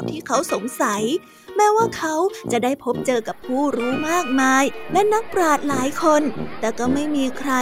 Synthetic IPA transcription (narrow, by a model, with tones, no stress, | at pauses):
p̚t̪ʰiː˥˩kʰa˦˥wso˩˦ŋsa˩˦j | mɛː˦˥waː˥˩kʰa˦˥wt͡ɕa˨˩daː˥˩jpʰo˦˥p̚t͡ɕɤː˧ka˨˩pʰːuː˥˩ɾuː˦˥maː˥˩k̚maː˧jlɛ˦˥na˦˥k̚pɾaː˨˩t̪̚laː˩˦jkʰo˧nt̪ɛː˨˩kɔː˥˩ma˥˩jmiː˧kʰɾa˧